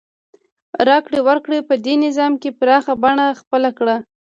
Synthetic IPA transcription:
ɾɑkɽewəɾkɽepəd̪enɪzɑmkepɾɑxabaɳaxpəlakɽa

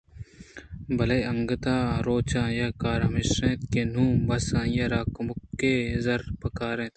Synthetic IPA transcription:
bɐlɐjɐŋɡɐt̪aːɾoːt͡ʃãːjɐkaːɾamɪʃɾẽːt̪keːn̤ũːbɐsãːjɐɾaːkʊmʊkːeːzɐɾpɐkaːɾẽːt̪

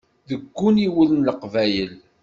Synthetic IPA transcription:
ðəɡːuniwələnləqvæjəl

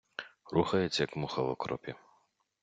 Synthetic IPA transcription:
ruxɐjɛt͡sʲjɐkmuxɐlɔkɾʔɔ̰pʲi

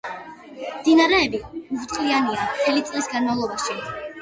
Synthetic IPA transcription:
md̪inaɾɛːbiuvt̪ʼqʼlianiat̪ʰɛlit̪sʼlisɡanmavlˠɔbaʃi

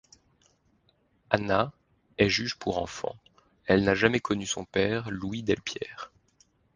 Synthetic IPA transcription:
ana | ɛʒyʒpʰuʁɑ̰̃fɑ̰̃ | ɛlnaʒamɛkʰɔnysɔ̃pɛʁluid̪ɛlpʰjɛ̰ːʁ

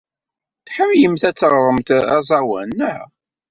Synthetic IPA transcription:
θħəvjəmθæt͡sːəʁɾˤəmθæ̰zˤɑwæ̰nːə

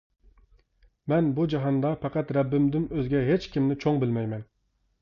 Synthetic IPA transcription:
mɛnbud͡ʒɑɦɑnd̪ɑpʰɛqɑt̪ɾɛbːɪmd̪ɪmøzɡʲɛɦet͡ʃkʲimnɪt͡ʃʰoŋbɪlmɛjmɛn

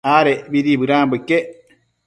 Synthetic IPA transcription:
aːɾɛbidibɨɾaːmbukːɛ

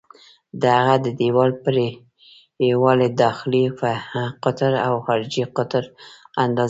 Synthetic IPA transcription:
d̪əhaɣad̪əd̪ewɑlpɾe | jewɑled̪ɑxɪlifaqʊt̪ɾawxɑɾɪd͡ʒiqʊt̪ɾand̪ɑz

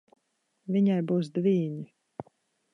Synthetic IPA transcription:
vʲiɲajbuːs̬d̪viːɲi

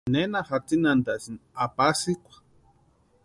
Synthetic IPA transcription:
nenaxat͡sinand̪aʔsinapasikʷḁ

